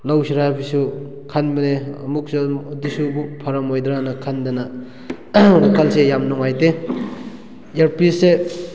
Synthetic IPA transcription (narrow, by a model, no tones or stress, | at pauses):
lawsiɾabisu | kʰanbɐnemuk̚sɯdisubupʰaɾɐmojd̪ɾanɐkʰandana | ɾakʰalsejamnɔŋajte | eɾpise